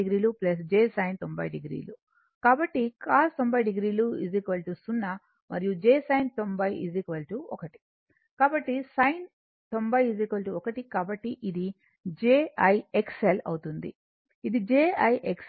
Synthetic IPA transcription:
iɡɾiːluplɐs̬d͡ʒeːsɐjnt̪o̞mbɐjɖiɡɾḭːlu | kaːbɐʈːikaːɾt̪o̞mbɐjɖiɡɾiːluḭzikʋɐlʈusunːɐ | mʔɐ̰ɾijud͡ʒeːsɐjnt̪o̞mbɐjḭzikʋɐlʈuɔkɐʈi̥ | kaːbɐʈːisɐjn | t̪o̞mbɐjizikʋɐlʈuɔkɐʈikaːbɐʈːiʔid̪i | d͡ʒeːɐjekselɐ̰wt̪und̪ḭ | id̪id͡ʒeːɐjʔeks

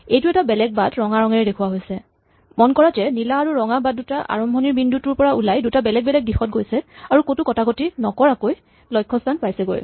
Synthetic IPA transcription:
ejtuɛtabɛlɛk̚badɹɔŋaɹɔŋɛɹɛdekʰuaɦojsɛ | mɔnkɔɹatɛnilaːɹuɹɔŋabadutaʔa̰ɹɔmbʱɔniɹbindutuɹpɔɹaulajdutabɛlɛɡ̚bɛlɛɡ̚dixɔt̚ɡojsɛaɹukotukɔtʰakotinɔkɔɹakoj | lɔjkʰːɔstʰanpajsɛɡo̰j

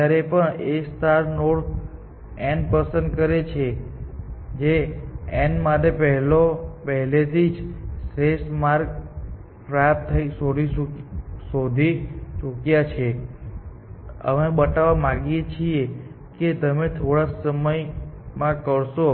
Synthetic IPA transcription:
aɾepəɳest̪aɾnoɽ | ɛnɖpəsənd̪̚kəɾet͡ʃʰe | d͡ʒeɛnmat̪epəɦlopəɦlet̪ʰid͡ʒsɾesmaɾk | pɾaapt̪ʰəisod̪iusod̪ʱit͡ʃukjat͡ʃʰe | ə̰mebət̪aʋamãɡijet͡ʃʰie | ket̪əmet̪ʰoɽasəməjmãkəɾʃo

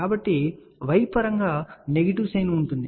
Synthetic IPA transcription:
aːbɐʈːi | ʋɐjpɐɾɐŋɡaːne̞ɡɐʈ̬iʋsɐjnɐuɳʈund̪i

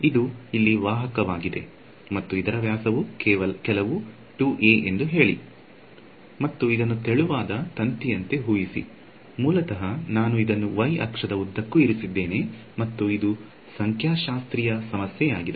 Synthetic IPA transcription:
id̪uilːiʋaːɦɐkɐʋaːɡid̪e̞̰ | mɐt̪ːuid̪ɐɾɐʋjaːsɐʋuɐkɛlɐʋu | ʈuʔeːʔend̪uɦe̞ːɭḭ | mɐt̪ːuid̪ɐnːut̪eɭuʋaːd̪ɐt̪ɐnt̪ijɐnt̪e̞ɦuːjisḭ | muːlɐt̪ɐɦɐnaːnuid̪ɐnːuʋɐjʔɐ̰kʂɐd̪ɐud̪ʱːɐkːuiɾisid̪ːe̞ːne̞mɐt̪ːuid̪u | sɐŋkʰjaːʃaːst̪ɾijɐsɐmɐsjɛjaːɡid̪e

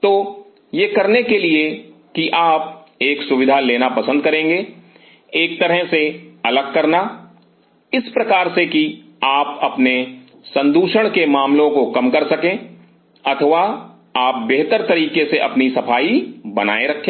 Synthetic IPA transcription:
t̪oː | jekɐɾnekeliekiʔaːp̚ | eːksʊʋɪd̪ʱaleːnapɐsə̃nd̪̚kɐɾẽːŋ̆ɡeː | eːk̚t̪ɐɾəɦseɐləɡ̚kɐɾna | ɪspɾɐkaːɾseki | aːpɐpne | sɐ̃nd̪uːʃəɽ̃kemaːmlõkokɐmkɐɾsɐkẽː | ɐt̪ʰəʋa | aːp̚beɦt̪əɾt̪ɐɾiːkeseʔɐ̰pnisɐpʰaːibɐna̰ːeɾɐkʰːẽː

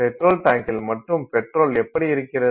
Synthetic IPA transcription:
pɛʈroːlʈaːŋkɪlmɐʈːrɯmpɛʈroːlɛpːɐɽiɪɾɯkːɪɾɐ

